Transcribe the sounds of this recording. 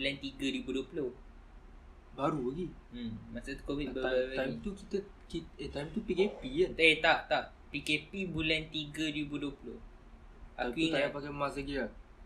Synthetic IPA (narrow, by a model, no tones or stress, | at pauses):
ulant̪iɡəɾibuduəpulo | baɾubaɡimasat̪ukɔmitbəat̪ajmit̪uki̥t̪əkiet̪ajmt̪upikepianet̪aʔt̪aʔ | pikepibulɛnt̪iɡəɾibudəpulo̰h | ʔakũŋt̪ajapakaməmãsaɡia